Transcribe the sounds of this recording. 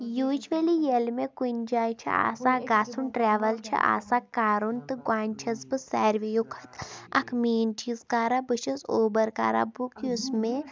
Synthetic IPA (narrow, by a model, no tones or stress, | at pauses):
juːd͡ʒʋelijelmekunʲd͡ʒaːjt͡ʃʰḭa̰ːsaːɡaːt͡sʰunʈɾɛːʋɐlt͡ʃʰḭʔa̰ːsaːkaːɾunt̪ɨɡwaːnʲt͡ʃʰɐzbɨsɛːɾʋijukʰɐ̥t̪ɐ̰kʰmiːnt͡ʃizkaːɾabɨʃɐsoːbɐɾka̰ːɾa̰bukiusme